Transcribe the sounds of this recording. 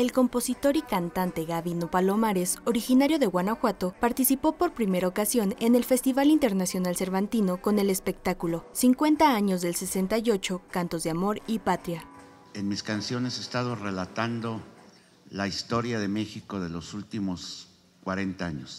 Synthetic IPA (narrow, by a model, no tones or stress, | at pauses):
e̞lko̞mpo̞sit̪o̞ɾikant̪ant̪e̞ɣaβinopalo̞maɾe̞so̞ɾixinaɾjo̞ðe̞ɣwanaxwat̪o̞paɾt̪isipo̞po̞ɾpɾime̞ɾaokasjo̞ne̞ne̞lfe̞st̪iβalint̪e̞ɾnasjo̞nalse̞ɾβant̪ino̞ko̞ne̞le̞spe̞k̚t̪akulo̞siŋkwe̞nt̪aaɲo̞zðe̞lse̞se̞nt̪ajo̞t͡ʃo̞kant̪o̞zðeamo̞ɾipat̪ɾja | enmiskansjo̞ne̞sest̪aðo̞relat̪and̪o̞ | laist̪o̞ɾjaðe̞me̞xiko̞ðe̞losult̪imos | kwaɾe̞nt̪aaɲos